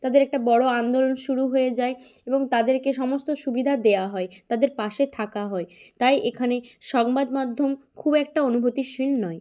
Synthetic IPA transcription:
t̪ad̪eɾɛk̚ʈabɔɽoand̪olonʃuɾuɦojed͡ʑaeeboŋt̪ad̪eɾkeʃɔmost̪oʃubid̪ʱad̪eaɦɔet̪ad̪eɾpaʃet̪ʰakaɦɔet̪ajʔekʰaneʃɔŋbad̪mad̪ʱːomkʰubɛk̚ʈaonubʱot̪iʃilnɔe

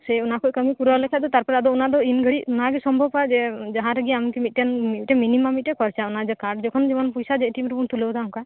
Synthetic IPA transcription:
sɛunakɔkəmipuɾɔlɛkʰɛd̪ɔt̪aɾpɔɾɛad̪ɔunad̪ɔinɡʱəɽiʔunaɡɛsɔmbʱɔbpad͡ʒɛd͡ʒaɦãɾəɡiamikɛmit̪̚ʈɛnmit̪̚ʈɛminimamit̪̚ˀʈɛkɔɾt͡ʃaunad͡ʒɛkaɾɖd͡ʒɔkʰɔnd͡ʒɛmɔnpujsad͡ʒɛʔʈimɾɛunt̪ulɔwd̪auŋka

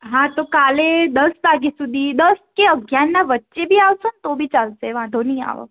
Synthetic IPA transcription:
ɦãt̪okaled̪əsʋaɡisud̪ʱid̪əskeəɡʱjanːaʋətːʃebʱiːaʋsont̪obʱit͡ʃalseʋãd̪ʱonia̰ʋo̰

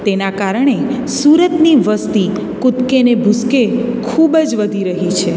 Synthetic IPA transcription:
t̪enakaɾəɳ̃e | suɾət̪niʋəst̪i | kʊt̪kenebʱʊskekʰubd͡ʒʋəd̪ʱiɾəɦit͡ʃʰe

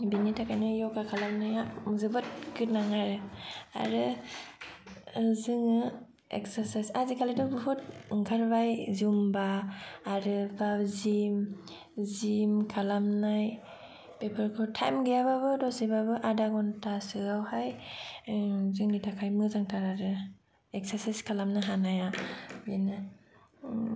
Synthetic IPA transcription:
binitʰakʰajnɯjɔkakʰalamnajazɯbɯt̚ɡɯt̚naŋaɾɯa̰ɾɯ | zɯŋɯ | ḛksaɾsajsazikʰalidɔbɯɦut̚ŋɡʰaɾbajzumbaː | ɾɯbazim | zimkʰalamnaj | pepʰɯɾkʰɯtʰajmɡijaβaβɯdɔsibabɯʔadaɡɔntʰasɯawhaj | zɯŋitakʰajmɯzaŋtʰaɾaɾɯ | ek̚saɾsajskʰalamnaɦanajajinɯ

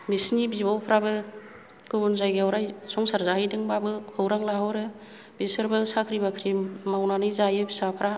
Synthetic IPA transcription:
misnibibawpʰɾabɯ | ɡ̥ɯbunzajɡeawɾajsɔŋsaɾzaɦajdɯŋbabɯkʰɯwɾaŋlaɦɔwɾɯ | bisɯɾbelsakʰɾibakʰɾimawnanɯjzajɯbisapʰɾa

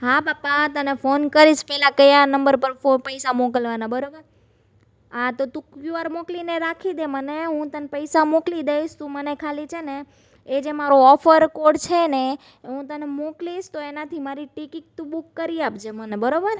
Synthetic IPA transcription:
ɦabapːat̪ənefonkəɾiʃpɛɦlakəjanəmbəɾpəɾfopəjsamokəlʋanabəɾobəɾ | at̪ot̪ũkjuaɾmoklineɾakʰid̪eməneɦũt̪ənpəjsamoklid̪eiʃt̪ũmənekʰalit͡ʃʰeneː | d͡ʒemaɾoɔfʰəɾkoɽt͡ʃʰene | ɦũt̪ənemokliʃt̪oenat̪ʰimaɾiʈikik̚t̪ũbukːəɾiapd͡ʒemənebəɾobəɾ

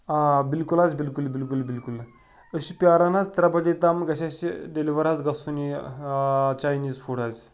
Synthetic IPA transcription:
bilkulazbilkulbilkulbilkul | əɕipjaɾanazt̪ɐɾabɐdet̪amɡɐɕasiɖeliʋɐɾad͡zɡɐsuni | t͡ɕajniːzfuɽazʲ

